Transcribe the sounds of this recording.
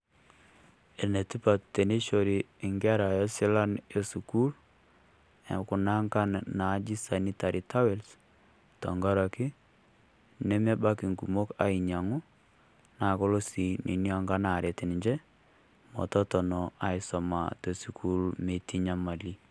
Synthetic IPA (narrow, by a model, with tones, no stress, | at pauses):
e˨ne˨ti˦pa˨te˨ni˦ʃo˨ɾiː˨ŋɡɛ˦a˦ɾa˨jɔ˦sɪ˦la˦ne˦su˨ku˦l | ku˨na˦ŋɡa˦nna˨˦d͡ʒi˦sa˨ni˦ta˨ɾi˨ta˦we˨ls | tɔ˨ŋɡa˦ɾa˨kɪ˦ | ne˦me˦ba˦ki˨ŋɡu˨mo˦ka̰˨i˨ɲa˨ŋu˦ | na˨ko˦lo˦si˨nʔḭ˨ni˦ɔ˦ŋɡa˦na˨ɾe˨tɪ˨n˨ɲd͡ʒe˦ | mɔ̰˨tɔ˦tɔ˨nɔ˨a˨ɪ˨sɔ˨ma̰˨to˨su˨kʰu˦lme˨ti˦ɲa˦ma˨li˦